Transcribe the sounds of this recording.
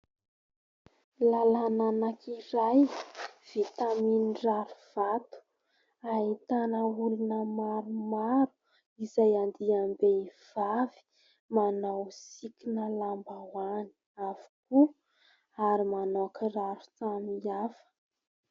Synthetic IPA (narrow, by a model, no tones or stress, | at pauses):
lalananakʰiɾajv̥it̪aminiraɾuv̥at̪u̥ | aɦit̪anəulunəmaɾumaɾu̥ | izajand̪iambeiv̥avi̥ | manawsikʲinəlambawani̥ | avu̥ku | aɾimanokəraɾut͡saniafə̥